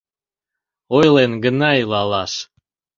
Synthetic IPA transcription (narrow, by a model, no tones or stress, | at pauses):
ojlenɡənɑilɑlɑʃ